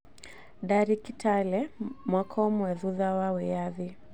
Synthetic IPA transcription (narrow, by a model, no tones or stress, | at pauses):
ɗaɾikitʰalɛmwakʰɔumwɛðuðawawɛjaði